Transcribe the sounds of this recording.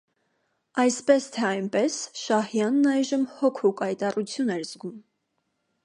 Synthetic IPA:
ɑjspɛst̪ʰɛɑjnpɛsʃɑhjɑnːɑjʒəmhɔkʰukɑjt̪ɑrut͡sʰjunɛɾzɡum

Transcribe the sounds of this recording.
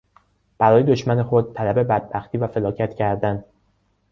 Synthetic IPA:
b̥æɾɒːje̞d̪oʃmæne̞xod̪̚t̪ʰælæbe̞bæd̪̚bæxt̪ʰiːvæfe̞lɒːcʰæt̪cʰæɾd̪æn

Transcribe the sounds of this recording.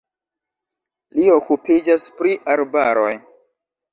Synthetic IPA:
liokupid͡ʒaspɾiʔaɾbaɾo̞̰j

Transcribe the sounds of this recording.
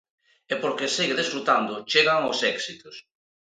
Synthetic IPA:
epoɾkesiɣeðesfɾut̪and̪ʊt͡ʃeɣaŋosɛksit̪os

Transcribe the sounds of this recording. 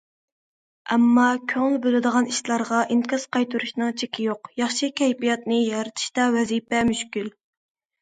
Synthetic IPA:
ʔɛmːɑkʲʰøŋlˠbølɨd̪əʁɑniʃlˠɑɾʁɑʔiŋkʰʲɑz̥qɑjt̪ʰuɾuʃnɨŋt͡ʃʰekʲɪjoqjɑχʃikʲʰɛjpijɑt̪nɨjɑɾɨt̪ʰɨ̥ʃt̪ɑwɛzipɛmyʃkʲyl

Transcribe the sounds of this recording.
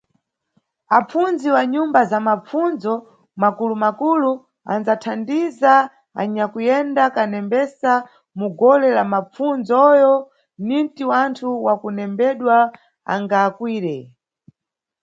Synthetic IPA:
ap͡funziwaɲumbazamap͡funzɔ | makulumakulu | a̰nzatʰandiza | a̰ɲakujɛndakanɛmbɛsa | muɡɔlɛlamap͡fund͡zɔjɔ | nintiwantʰuwakunɛmbɛɗwa | a̰ŋɡaːkwiːɾɛ

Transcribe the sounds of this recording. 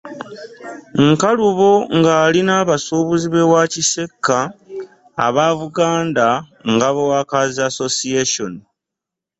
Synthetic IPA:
ŋkaluβo̞ŋɡaːlinaːβasuːβuziβe̞wacise̞kːa̰ː | βaːβuɡaːnda | ŋɡaβewaːkazaso̞sieʃo̞ni

